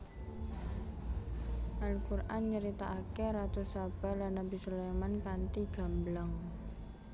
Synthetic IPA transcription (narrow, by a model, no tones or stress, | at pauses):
ʔalkurʔanɲəɾit̪aʔakeɾat̪usab̥a̤lanːabisolemankant̪iɡ̥a̤mblaŋ